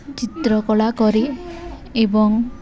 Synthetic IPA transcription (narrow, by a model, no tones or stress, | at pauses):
t͡ʃit̪ɾɔkɔɭakɔɾi | ebɔŋ